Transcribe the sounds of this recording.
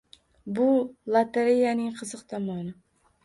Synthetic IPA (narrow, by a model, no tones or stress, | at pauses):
bʊlˠat̪ʰeɾejanɪŋqʰɨzɨqt̪ʰɒmɒnɪ